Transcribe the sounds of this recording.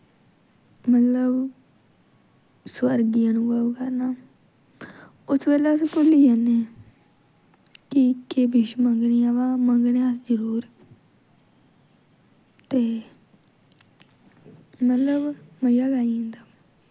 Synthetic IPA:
mət̪ləb | swəɾɡɪjãːnũːɡakəɾnaː | ʊsbeːlaːskʊliːd͡ʒaneː | kikebɪʃməŋɡɳijãːʋãːməŋɡneãːsd͡ʒəɾuːɾ | t̪eː | mət̪ləbməjaːɡaːiẽnd̪aː

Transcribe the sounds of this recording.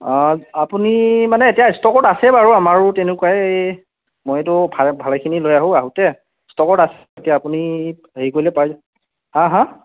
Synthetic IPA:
apunimanɛetijastɔkɔtasɛbaɹuamaɹʊtɛnʊkuaɛ | mojtʊbʱabʱalɛkʰinilojaɦʊ̃aɦutɛ | stɔkɔtasɛ | etijaːpuni | ɦeikojlɛpaj | hãɦã

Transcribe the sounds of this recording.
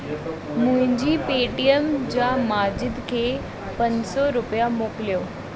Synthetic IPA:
mʊ̃ɦɪ̃ɲd͡ʑiːpeːʈiəmd͡ʑaːmaːd͡ʑɪd̪kʰeː | pɐ̃ɲd͡ʑsɔɾʊpijamoːkɪljoː

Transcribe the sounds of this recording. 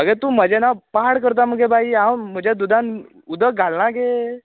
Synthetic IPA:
məɡɛt̪uːməd͡ʑenapaɦaɽkəɾt̪̬aməɡebʱaiawm̤əd͡ʑad̪ud̪ãn | ud̪əɡʱalɳãke

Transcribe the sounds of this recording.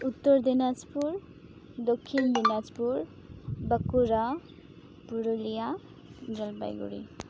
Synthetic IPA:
ut̪ːɔɹd̪inad͡ʒpuɹ | d̪okʰːind̪inazpuɹ | bəkuɹa | puɹolija | d͡ʒɔlba̰jɡṵɹḭ

